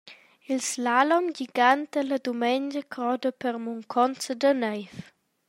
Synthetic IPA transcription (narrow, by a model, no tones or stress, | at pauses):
ilslalɔmɡiɡant̪ələd̪umɛɲd͡ʒəkʰɾɔd̪əpəɾmuŋkʰɔnt͡səd̪ənɛjf